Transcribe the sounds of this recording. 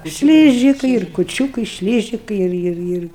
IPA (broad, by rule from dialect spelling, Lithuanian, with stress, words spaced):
ˈʃʲlʲiːʒʲɪkɐɪ ɪr kʊˈt͡ʃʲuːkɐɪ ˈʃʲlʲiːʒʲɪkɐɪ ˈɪr ˈɪr ˈɪr